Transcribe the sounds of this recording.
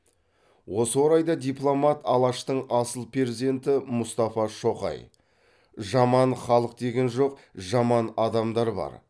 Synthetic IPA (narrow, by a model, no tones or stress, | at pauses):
wo̞səwo̞ɾɑjd̪ɑd̪ʲijplˠo̞mɑt̪ɑlˠɑʃt̪əɴɑsəlˠpreɾezid̪e̞nt̪ɪmʊst̪ɑfɑʃo̞qɑ̰j | ʒɑmɑnχɑlˠəq̚d̪e̞ɡʲe̞nʒo̞q̚ʒɑmɑnɑd̪ɑmd̪ɑɾbɑ̰ɾ